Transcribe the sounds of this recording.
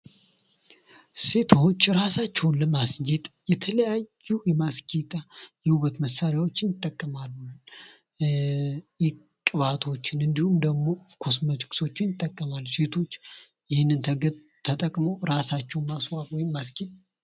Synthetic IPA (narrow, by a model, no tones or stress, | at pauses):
se̞t̪ʰo̞t͡ʃːɾasat͡ʃːɛwnləmasd͡ʒet̪ʼjɛt̪ʰələjajːujɛmaskʼit̪ʼajɛhuβət̪məsːaɾjawot͡ʃːɪnjɪt̪ʼːəkʼːəmalː | jɛ | kʼɨβat̪ʰo̞t͡ʃːɪnɨnd̪ihumd̪əɡmo̞kʰo̞smət͡ʃʼɨ̥kso̞t͡ʃːɪnjɪt̪ʼːəkʼːəmalse̞t̪ʰo̞t͡ʃː | jɪhɪnːɨnt̪ʰəɡə | t̪ʰət̪ʼəkʼməwɾasat͡ʃːɛwnmaswawɔjɪmːasket̪ʼ